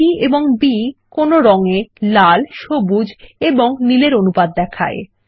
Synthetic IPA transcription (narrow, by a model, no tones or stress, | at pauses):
ieboŋbikonoɾɔŋelalʃobud͡ʑeboŋnileɾonupad̪̚ːɛkʰa̰ḛ